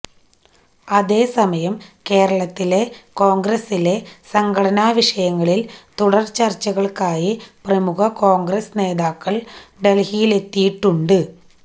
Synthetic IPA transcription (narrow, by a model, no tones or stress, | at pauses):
ɐðe̞ːsɐmɐjɐmke̞ːɾɐɭɐt̪ːile̞ko̞ːŋɡɾesile̞sɐŋɡɐɽɐnaːʋiʂɐjɐŋːɐɭilt̪uɽɐrt͡ɕɐrt͡ɕːɐɣɐɭkaːjiprɐmuɣɐko̞ːŋɡresne̞ːðaːkːɐɭɖe̞lhijile̞t̪ːijiʈːuɳɖɨ